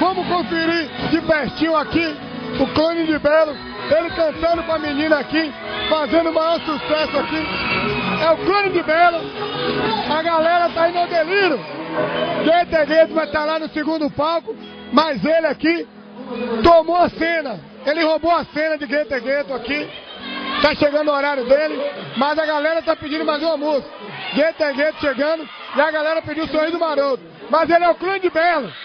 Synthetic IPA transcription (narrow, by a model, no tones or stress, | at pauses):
vɐ̃mʊkõfiɾid͡ʒɪpɛʃt͡ʃĩʊ̃aki | ʊklõnɪd͡ʒɪbɛlʊ | elɪkɐ̃sɐ̃nd̪ʊpɾɐmĩnĩnɐaki | fazẽnd̪ʊmajɔɾsusɛsʊaki | ɛʊklõnɪd͡ʒɪbɛlʊ | ɐɡalɛɾɐt̪aĩnod̪eliɾʊ | ɡet̪eɡet̪ʊvajt̪alanʊsɪɡũd̪ʊpawkʊ | mɐzelɪaki | t̪omoɐsẽnɐ | elɪhoboɐsẽnɐd͡ʒɪɡet̪eɡet̪ʊaki | t̪aʃeɡɐ̃nd̪ʊɔɾaɾjʊd̪elɪmɐzɐɡalɛɾɐt̪apid͡ʒĩd̪ʊmazũɐmosʊ̥ɡet̪eɡet̪ʊ̥ʃeɡɐ̃d̪ʊ | ɪɐɡalɛɾɐpid͡ʒiwsohid̪ʊmaɾot̪ʊ | mɐzelɪɛʊklĩd͡ʒɪbɛlʊ